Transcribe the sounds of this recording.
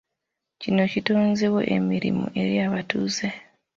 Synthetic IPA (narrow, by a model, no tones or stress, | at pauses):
cino̞citoːnzewoʔḛmiɾḭmṵʔe̞ɾjaːβatuːze